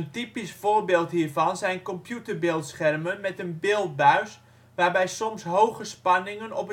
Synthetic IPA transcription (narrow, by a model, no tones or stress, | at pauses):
əntipisfoːrbeːlˠtɦiːrvɑnzɛjnkɔmpjutərbɪːlˠtsχɛrmənmɛtənbeːlˠt̚baɥs | ʋarbɛjsɔmsɦowɣəspɑnɪŋənɔpə